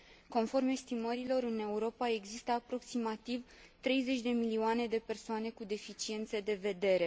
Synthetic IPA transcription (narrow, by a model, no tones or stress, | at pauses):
ko̞nfo̞rmest̪iməɾilo̞ɾɨne̞uɾo̞pae̞ɡzist̪əapɾo̞ksimat̪ivt̪ɾe̞jze̞t͡ʃʲd̪e̞milioane̞d̪e̞pe̞rsoane̞kud̪e̞fit͡ʃie̞nt̪sed̪e̞ve̞d̪e̞ɾe̞